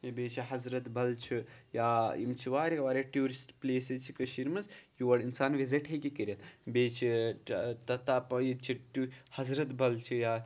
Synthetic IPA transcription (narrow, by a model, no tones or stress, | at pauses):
beːt͡ʃʰiɦɐzɾɐt̪bɐlt͡ʃʰijaːimt͡ʃʰiʋaːɾikɐʋaːɾeʈjuːɾisʈpleːsezt͡ʃʰikɐʃiɾmɐzjuʋɐɽinsaːnʋiziʈɦekikəɾɐt̪beːt͡ʃʰi | t̪ɐt̪aːpɐjit͡ʃʰiʈuhɐzɾɐt̪bɐlt͡ʃʰijaː